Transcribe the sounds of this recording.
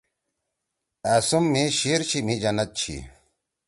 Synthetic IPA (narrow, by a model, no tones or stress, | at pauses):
asumːeɕiɾt͡ɕʰimid͡ʑɐnɐt̪̚t͡ɕʰḭ